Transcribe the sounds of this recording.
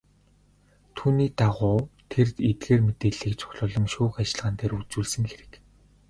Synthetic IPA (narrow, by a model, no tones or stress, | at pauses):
t̪ʰuːniːt̪aʁʊːt̪ʰert̪et̪̚ɡeːrmet̪eːɮiːkt͡sʰʊ̥xʲɮʊːɮɞ̆ŋʃuːxat͡ɕɪ̆ɮʁaːnt̪ʰeːɾut͡suːɮsɘ̆ŋxeɾɘ̆k